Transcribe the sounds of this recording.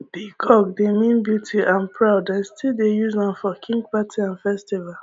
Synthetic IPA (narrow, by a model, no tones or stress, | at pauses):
d̥ikʰɔɡdemĩnbjutʰiʔãnpʰɹaʊdastʰildejuznãnfɔkʰĩŋɡpatʰiãnfɛstival